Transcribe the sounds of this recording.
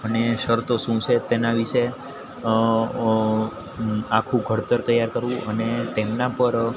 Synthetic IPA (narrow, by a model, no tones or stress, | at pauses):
əneʃəɾt̪oʃũt͡ʃʰet̪enaʋiʃe | akʰũɡʱəɾt̪əɾt̪əjaɾkəɾʋũʔənet̪emnapəɾ